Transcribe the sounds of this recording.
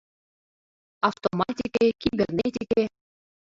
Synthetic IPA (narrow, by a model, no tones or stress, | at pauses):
aft̪omat̪ʲikekʲibʲernʲet̪ʲikʲe